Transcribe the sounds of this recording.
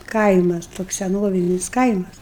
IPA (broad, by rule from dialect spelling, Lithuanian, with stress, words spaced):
ˈkɐɪmɐs toːks sʲɛˈnoːʋʲɪnʲɪs ˈkɐɪmɐs